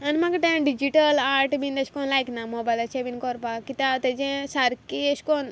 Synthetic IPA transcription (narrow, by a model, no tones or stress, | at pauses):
ɐnmaɡʈẽɖid͡ʒiʈəlaːɾʈbĩnd̪ɐʃkɔnlajknamobajlɐt͡ʃʰebinkɔɾpakit̪at̪ed͡ʒẽsaɾkieʃkon